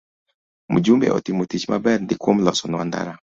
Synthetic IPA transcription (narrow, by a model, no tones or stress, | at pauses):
mṵd͡ʒumbḛʔɔ̰t̪imotit͡ʃmabɛrndɪkwomlɔsɔnɔand̪a̰ɾa